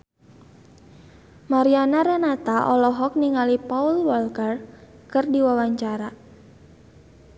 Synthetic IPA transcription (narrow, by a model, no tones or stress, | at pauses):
maɾianaɾɛnat̪aʔɔlɔɦɔk̚niŋalipaulwɔlkər | kɨrdiwawaɲt͡ʃaɾa